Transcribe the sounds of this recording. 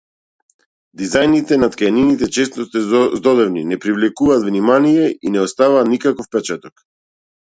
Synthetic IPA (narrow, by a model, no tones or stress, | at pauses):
d̪izajnit̪ɛnat̪kajaninit̪ɛt͡ʃɛst̪ɔst̪ɛzd̪ɔd̪ɛvninɛpɾivlɛkuvaːt̪vnimanijɛinɛɔst̪avaːt̪nikakɔfpɛt͡ʃat̪ɔk